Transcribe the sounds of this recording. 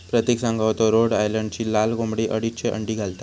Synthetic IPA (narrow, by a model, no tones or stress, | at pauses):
pɾət̪eksãŋɡʱaʋt̪ɔɾoɽajləɳɖt͡ɕiːlalɡõmbɽiːʔəɽit͡ɕʰeʔə̰ɳɖiːɡʱalt̪a